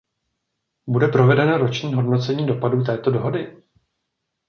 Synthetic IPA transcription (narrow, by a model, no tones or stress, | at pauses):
budɛpɾo̞vɛdɛnoɾo̞t͡ʃɲiːɦo̞dno̞t͡sɛɲiːdo̞paduːt̪̬ɛːt̪o̞do̞ɦo̞dɪ